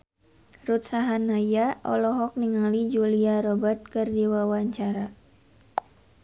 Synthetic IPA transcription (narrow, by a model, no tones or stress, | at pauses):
rut̪̚saɦanajaʔɔ̰lɔɦɔk̚niŋalid͡ʒuliaɾɔbat̪̚kɨrdiwawaɲt͡ʃaɾa